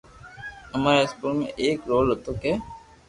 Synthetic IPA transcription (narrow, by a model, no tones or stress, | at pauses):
əmaːɾeɪspuːlmḛ̃ʔeːkɾoːlɦot̪oːkeː